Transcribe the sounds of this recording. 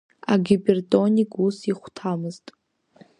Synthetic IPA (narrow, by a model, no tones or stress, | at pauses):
a̰ɡʲibʲertʼo̞nʲikʼusiχʷtʰamɨztʼ